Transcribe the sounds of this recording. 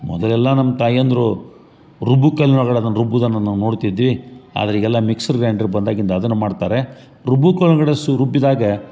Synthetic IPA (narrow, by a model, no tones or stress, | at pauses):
mɔ̰d̪ɐlɛlːɐnɐmɐt̪aːjɐnd̪ɾu | ɾubukɐlɐɐɡɐɽeɐd̪ɐnːɐɾubːud̪ɐnːɐnaːno̞ːɽt̪id̪ːʋia̰ːd̪ɐɾeiːɡɛlːɐmiksɐɾɡɾaːɳɖɐɾbɐnd̪aːɡint̪ɐːd̪ɐnːumaːɖt̪aːɾe̞ | ɾubukɐlnɐɡɐɽesuɾubːid̪aːɡɐ